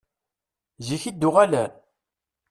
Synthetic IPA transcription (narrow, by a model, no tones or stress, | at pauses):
ziçid̪ːʊʁælæn